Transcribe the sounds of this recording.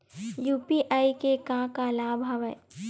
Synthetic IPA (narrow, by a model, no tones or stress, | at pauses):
juːpiʔaːikekãːkalaːbʱɦɐʋəj